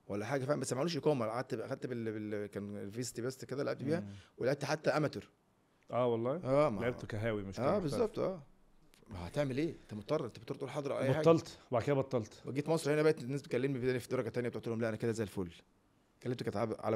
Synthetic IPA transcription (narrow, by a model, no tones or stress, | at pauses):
wælːæħaːɡæfiʕnmbæsːmæʕuluʃekæwmælʕæd̪̚t̪ʔæxæd̪̚t̪belekæːnlviːst̪ibæst̪ked̪ælːeʕebt̪biːhæweleʕebt̪ħat̪ːæʔæmæt̪oɾ | ʔæːwɑlˤːɑːʔæːmælʕeb̪kæɦæːwimeʃæːbezːɑb̚t̪ˤʔæː | mæhæt̪eʕmelʔeːʔent̪æmot̪ˤːɑrˤɑʔent̪æbet̪ːɾt̪ʔulħɑːd̪ˤɾʔa̰wʔæːbħaːɡ̪ːɑlt̪obaʕd̪ked̪æbɑt̪ˤːɑlt̪wæɡiːt̪mɑsˤɾˤɑhenæbæʔt̪nːæːsbet̪kælːemnibed̪æːnæfid̪ɑɾˤɑɡæt̪ænjæbet̪oʕt̪ehomlæʔænæked̪æzæjelfoːlː | kælːemt̪ekæt̪ʕabʕa̰læ